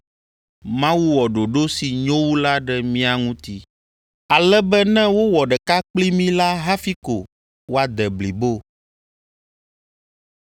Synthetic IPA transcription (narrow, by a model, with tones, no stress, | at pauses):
mã˦wu˦wɔ˨ɖo˨ɖo˦si˨ɲõ˦wu˦la˦ɖɛ˦mĩ˦a˨ŋũ˦t̪i˦ | a˨lɛ˦bɛ˦nɛ̃˦wo˦wɔ˨ɖɛ˨ka˦k͡pli˦mĩ˦la˦ɦa˦fi˦ko˨ | wo˦a˨d̪ɛ˨bli˨bo˦